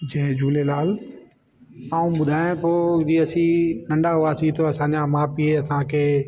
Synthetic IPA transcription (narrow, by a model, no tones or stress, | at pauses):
d͡ʑɐ̃ɦd͡ʑuːlelaːl | aːũɓʊd̪ʱaːẽp̪ʰoːd͡ʑiːɐsĩnɐ̃ɳɖaɦʊaːsĩt̪oɐsãːɲd͡ʑãmãːpieɐsãkʰeː